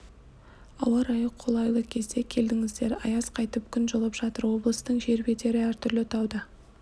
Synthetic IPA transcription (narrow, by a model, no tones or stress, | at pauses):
ɑ̰wɑɾɑjəqʰːo̞lˠɑjlˠəkʲʰe̞zd̪e̞kʲʰe̞ld̪ɪŋɪzd̪e̞ɾɑ̰jɑzqʰɑjt̪əp̚kʲʰʏnʒolˠəpʒ̥ɑt̪əɾwo̞blˠəst̪əɴʒe̞ɾbe̞t̪e̞ɾɪæɾt̪ʰʏɾlɪt̪ʰɑwd̪ə